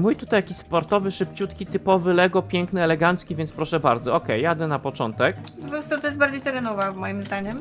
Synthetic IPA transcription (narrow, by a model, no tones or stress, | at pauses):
mujt̪ut̪ajakʲiɕspɔɾt̪ɔvɘʂɘp̚t͡ɕut̪kʲit̪ɘpɔvɘlɛɡɔpʲjɛŋknɘɛlɛɡant̪skʲivʲjɛnt̪spɾɔʂɛbaɾd̪zɔɔkɛjːad̪ɛnapɔt͡ʂɔ̰nt̪ɛkpɔpɔɾɔst̪ut̪ɔjɛsbaɾd͡ʑejt̪ɛɾɛnɔvamɔjimzd̪aɲɛm